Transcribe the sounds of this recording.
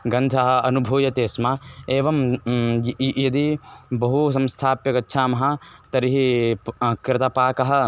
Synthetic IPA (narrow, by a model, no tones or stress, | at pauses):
ɡɐ̃nd̪ʱɐɦɐ̆ɐnubʱuːjɐt̪eːsmɐeːʋɐm | jɐd̪ibɐɦus̬ɐ̃mst̪ʰaːpjɐkɐtːʃʰaːmɐɦɐt̪ɐɾiɦi | kɾɪt̪aːpaːkɐɦɐ̆